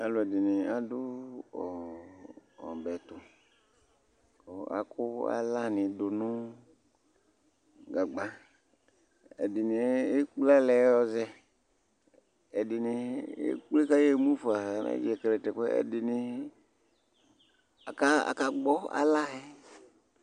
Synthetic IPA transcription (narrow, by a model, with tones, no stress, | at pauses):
a˨lʊ˨ɛ˨dɪ˨nɪ˨a˨dʊ˦ɔ̰˨ | ɔ̰˨bɛ˨tʊ˨ | kɔ˨a̰˨kʊ˦a̰˦la˦nɪ˨dʊ˨nʊ˦ | ɡa˨ɡ͡ba˦ | ɛ̰˨dɪ˨nɪ˨˦e˦k͡pla˦lɛ˨˦ɔ˦zɛ˦ | ɛ˨dɪ˨nɪ˧ḛ˦k͡ple˦ka˦je˦˨mu˦fa˨a˨na̰˦d͡ʒi˦ɛ˨kɛ˨lɛ˨tɛ˨kɛ˦ɛ̰˨dɪ˨nɪ˨ | a˨ka˦a̰˨ka˦ɡ͡bɔ˦a̰˦la˦ɛ˦